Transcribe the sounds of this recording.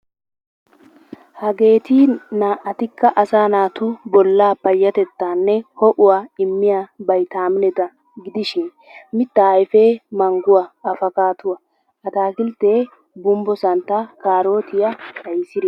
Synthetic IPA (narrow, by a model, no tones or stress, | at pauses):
hɐɡe̞ːt̪inaːʔɐt̪ɪkːɐʔɐsaːnaːt̪ʊbɔlːaːpːɐjːɐt̪ɛt̪ːaːnːɛhɔʔʊwaːɪmːɪjaːbɐjt̪aːmɪnɛt̪ɐ | ɡɪd̪ɪʃɪn | mɪt̪ːɐjfeːmɐŋɡʊwaɐfɐkaːt̪ʊwɐ | ɐt̪aːkɪlt̪ːeː | bʊmbɔsɐnt̪ːakaːɾo̞ːt̪ɪjɐɐjsɪɾɛ